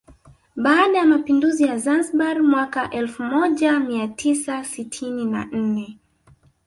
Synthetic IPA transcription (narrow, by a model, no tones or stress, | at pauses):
ɓaːɗajamapinduzijazansɓaɾmwakaʔɛlfumɔʄamiatʰisasitʰinina̰n̩nɛ